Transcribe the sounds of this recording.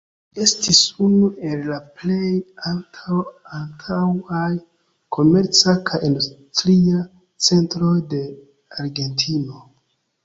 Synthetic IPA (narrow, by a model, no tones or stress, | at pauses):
e̞stisunuʔe̞lːaple̞jaltʰawaltʰawaj | kʰo̞me̞ɾt͡sakʰajindustɾia | t͡se̞ntɾo̞jde̞ | aɾɡe̞ntʰino̞